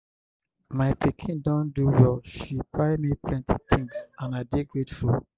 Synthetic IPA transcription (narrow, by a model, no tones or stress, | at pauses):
maɪpikʰĩndɔ̃nduwɔʃipaɪmiplɛ̃ntʰḭt̪ʰĩŋɡsãnaɪdeɡɹetfu